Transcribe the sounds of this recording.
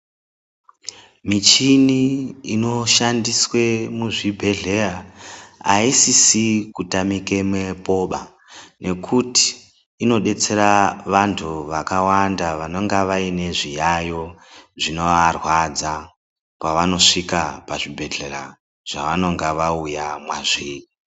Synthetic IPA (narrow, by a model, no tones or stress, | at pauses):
mit͡ʃiniino̞ʃandiswe̞muʐibʱe̞ɮe̞ra | aisisikutamike̞mwe̞po̞ɓa | nʔe̞kʰuti̥ː | no̞ɗe̞t͡se̞ɾaʋantʰuʋakawandaʋano̞ŋɡaʋaine̞ʐijajo̞ʐino̞ʋarwad͡za | paʋano̞ʂikapaʐibʱe̞ɮe̞ra̰ | ʐ̥aʋano̞ŋɡaʋaujamwaʐii